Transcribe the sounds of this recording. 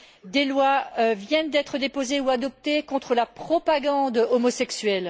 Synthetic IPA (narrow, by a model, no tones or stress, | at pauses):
d̪elwavjɛnd̪ɛt̪χəd̪epozeuad̪ɔp̚t̪ekɔ̃t̪χəlapχɔpaɡɑ̃d̪ɔmɔsɛksɥɛl